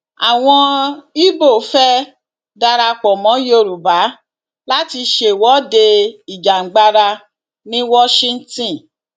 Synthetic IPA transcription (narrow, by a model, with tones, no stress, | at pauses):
a̰˨w̃ɔ̃˧i˦bo˦˨fɛ˦ | da˧ɾa˧k͡pɔ˨mɔ̃˨˦jo˦˨ɾu˨ba˨˦ | la˦ti˧ʃe˧˨wɔ˨˦de˧i˨d͡ʒa˨ŋ̩˨ɡ͡ba˧ɾa˧ | nĩ˦wɔ˦ʃĩ˦n̩˦tĩ˦˨